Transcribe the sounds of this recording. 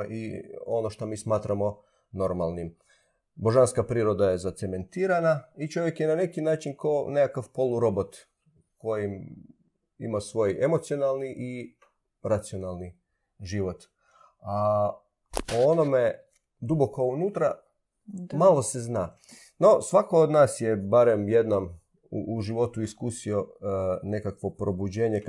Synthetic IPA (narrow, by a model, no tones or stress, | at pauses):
ʔḭo̞noʃt̪omiːsmaːt̪ɾamo̞ | no̞ɾmalˠnim | bo̞ʒanskapɾiːɾo̞d̪aje̞zat̪seme̞nt̪iːɾanait͡ʃo̞ʋje̞kjenane̞kinaːt͡ʃinkoːnekakaʋpo̞lˠuɾo̞bot̪ | kojim | ḭmasʋo̞je̞mo̞t̪sijo̞nalˠniʔi | ɾat̪sio̞nalˠni | ʒiʋo̞t̪ | a | oonome | d̪ubo̞kounut̪ɾa | malˠo̞se̞znaː | no̞sʋako̞od̪naːsjebaɾemjed̪nom | ṵʔːʒiʋo̞t̪uiskusio̞ne̞kakʋo̞pɾobud͡ʑeːɲe